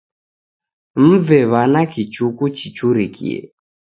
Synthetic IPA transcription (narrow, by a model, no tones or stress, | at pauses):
m̩vɛβanakit͡ʃukut͡ʃit͡ʃuɾikʰḭɛ̰